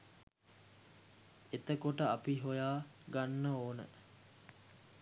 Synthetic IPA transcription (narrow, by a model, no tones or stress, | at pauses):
et̪əkoʈəapiɦojaː | ɡanːəoːnə̰